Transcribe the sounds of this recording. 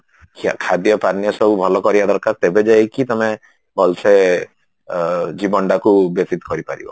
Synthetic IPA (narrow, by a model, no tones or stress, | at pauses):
kʰakʰad̪jɔpanijɔsɔbubʱɔlɔkɔɾibad̪ɔɾkaɾt̪ebed͡ʒaekit̪ɔme | bʱɔlsʰe | d͡ʒibɔɳɖakubɔt̪it̪kɔɾipaɾḭbɔ̰